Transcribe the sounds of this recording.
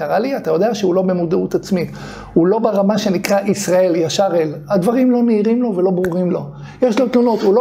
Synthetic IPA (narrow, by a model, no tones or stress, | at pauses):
kaʁaliatajo̞d̪e̞aʃeulo̞be̞mud̪eut̪at͡smi | hulo̞beʁamaʃe̞nikʁaʔisʁae̞ljaʃaʁelad̪vaʁimlo̞neiʁimlo̞velo̞bʁuʁimlo̞ | jeʃlo̞t̪lono̞t̪ulo